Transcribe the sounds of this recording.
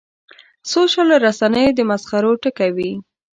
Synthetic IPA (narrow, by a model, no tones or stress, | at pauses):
soʃəloɾasanəjod̪əmasxaɾoʈəkawi